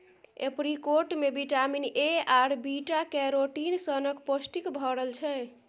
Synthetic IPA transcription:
ḛpɾikoɾʈmebiʈamineaɾbiʈakɛɾoʈinsənəkposʈikbʱɔɾəlt͡ʃʰɛ

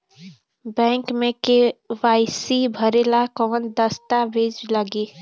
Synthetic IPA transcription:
bɛ̃ŋkmẽkeʋaɪsibʱəɾelakɔnd̪əst̪abʱed͡ʒləɡe

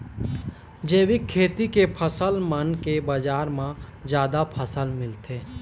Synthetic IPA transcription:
d͡ʒeːwɪkʰːeːt̪ikepʰəsəlmənkebəd͡ʒaːɾmã | d͡ʒjaːd̪apʰəsəlmɪlt̪eː

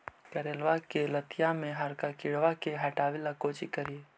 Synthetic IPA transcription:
kɐɾeːlʋakelət̪ijamẽɦaɾkakɪɽʋakeɦɐʈaːʋilakoːt͡ʃikəɾie

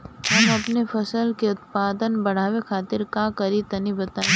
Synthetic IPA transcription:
ɦɐmɐpnefʰɐsəlkeʊt̪paːd̪ənbɐɽ̤aːʋekʰaːt̪ɪɾkakɐɾit̪ɐnibɐt̪aːẽ

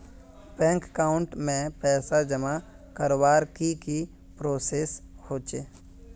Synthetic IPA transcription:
bɛ̃ːŋkːaːʊɳʈmẽpɛːsad͡ʒəma | kəɾwaːɾkiki | pɾoːseːshoːt͡ʃeː

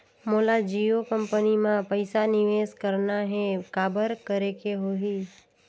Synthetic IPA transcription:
molad͡ʒiokəmpənimãpəɪsaniʋeskəɾnaɦẽkabəɾkəɾekeɦoɦi

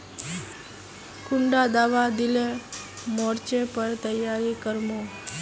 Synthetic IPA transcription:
kʊɳɖad̪aʋad̪ile | mɔɾt͡ʃepəɾt̪əjːaɾikəɾmo

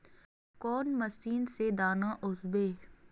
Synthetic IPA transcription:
kɔːnmɐsiːnsed̪aːnãʔʊzbeː

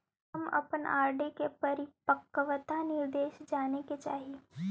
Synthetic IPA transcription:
əmɐ̰pənaːɾɖekepɐɾɪpəkːəʋət̪anɪɾd̪eːʃd͡ʒaːneket͡ʃa̰ːɦie

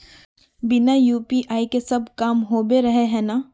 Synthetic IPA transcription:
bɪnajuːpiːʔaːikesɐbʱkaːmɦoːbeɾɐɦeɦɛ̃ːnaː

